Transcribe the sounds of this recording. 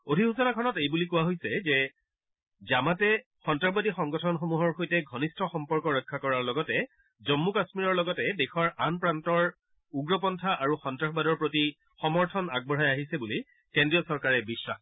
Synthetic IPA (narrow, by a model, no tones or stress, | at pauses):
odʱiɦusɔnakʰɔnɔtejbulikuwaɦojsɛzɛ | zamatɛ | xɔntɹaxbadixɔŋɡɔtʰɔnxomuɦɔɹxojtɛɡʱɔnistʰɔxɔmpɔɹkɔɹɔjkʰːakɔɹaɹlɔɡɔtɛ | zɔmːukasmiɹɔɹlɔɡɔtɛdexɔɹanpɹantɔɹ | uɡɹɔpɔntʰaʔaɹuxɔntɹaxʰɔbadɔɹpɹoti | xɔmɔɹtʰɔnaɡ̚bɔɹɦajaɦisɛbuli | kendɹijɔsɔɹkaɹɛbisːax